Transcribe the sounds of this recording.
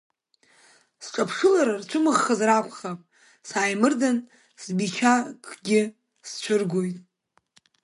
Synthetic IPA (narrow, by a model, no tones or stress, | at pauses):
sʈ͡ʂʼapʰʂɨlaɾart͡ʃʷʰʊmɨʁːazrakʷχapʼ | saːjmɨrdan | sbit͡ʃʰakʼʰɡʲɪ | st͡ʃʷʰɨrɡʷo̞jtʼ